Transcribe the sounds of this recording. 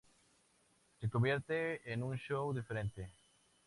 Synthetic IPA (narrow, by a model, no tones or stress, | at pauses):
sekoβjeɾt̪eenũŋʃowðifeɾẽnt̪e